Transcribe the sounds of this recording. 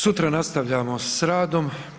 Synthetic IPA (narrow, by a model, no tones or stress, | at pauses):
sut̪ɾanast̪aʋʎaːmosɾaːd̪o̞m